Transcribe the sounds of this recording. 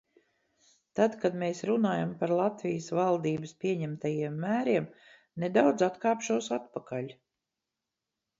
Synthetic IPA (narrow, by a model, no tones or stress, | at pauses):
t̪ad̪kad̪meːsɾunaːjampaɾlˠat̪vijəsvalˠd̪iːbəspʲiɛɲɛmt̪ajiɛmːæːɾiɛm | ned̪awd̪zat̪kaːpʃuɔsat̪pakaʎʲ